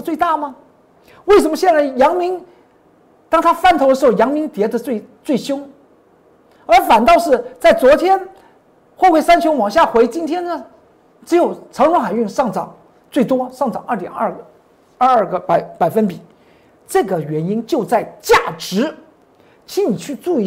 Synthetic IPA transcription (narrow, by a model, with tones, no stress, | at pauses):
t͡swe˥˧ɪt̪a˥˩mɐ˩ | we˥˩ɪʂə˧˥nmə˧ɕjɛ˥˧nt͡sa˥˩ɪjɑ˧˥ŋmi˧˥ŋ | t̪ɑ˥ŋt̪ʰa˥fa˥˩nt̪ʰo˧˥d̪ə˧ʂ̩˧˥xo˥˩jɑ˧˥ŋmi˧˥ŋt̪jɛ˧˥d̪ə˧t͡swe˥˧ɪt͡swe˥˩ɪɕjʊ˥ŋ | ə˞˧˥fa˨˩nt̪ɑ˥˧ʊʂɻ̩˥˩t͡sa˥˩ɪt͡swɔ˧˥t̪ʰjɛ˥n | xwɔ˥˧xwe˥˩ɪsa˥nt͡ɕʰo˧˥ŋwɑ˨˩ŋɕ̬ja˥˩xwe˧˥ɪt͡ɕi˥nt̪ʰjɛ˥nnə˨ | ʈ͡ʂɻ̩˧˥jo˨˩ʊʈ͡ʂʰɑ˧˥ŋɻwʊ˧˥ŋxa˨˩ɪy˥˩nʂɑ˥˩ŋʈ͡ʂɑ˨˩˦ŋ | t͡swe˥˩ɪt̪wɔ˥ʂɑ˥˩ŋʈ͡ʂɑ̰˨˩ŋʔə˞˥˩t̪jɛ̰˨˩nɐ˥˧˥ | ə˞˥˩ɡə˩pa˨˩˦ɪpa˨˩ɪfə˥npi˨˩˦ | ʈ͡ʂɤ˥˩ɡə˩ɥɛ˧˥ni˥nt͡ɕjo˥˧ʊt͡sa˥˧ɪt͡ɕja˥˩ʈ͡ʂɻ̩˧˥ | t͡ɕʰi˧˥ni˨˩t͡ɕʰy˥˧t͡su˥˧˩